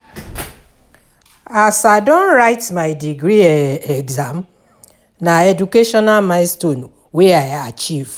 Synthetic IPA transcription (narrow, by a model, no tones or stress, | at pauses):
asadɔ̃nɾaɪtmaɪdiɡɾiɛɡzam | naedukeʃɔnalmaɪstonu | weajat͡ʃiv